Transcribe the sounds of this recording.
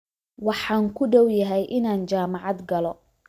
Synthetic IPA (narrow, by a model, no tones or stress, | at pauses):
wɑħɑːŋkʰʊɖɔwjɐɦɛjʔɪnaːnt͡ʃaːmɑʕɑd̪ɡɐlɔ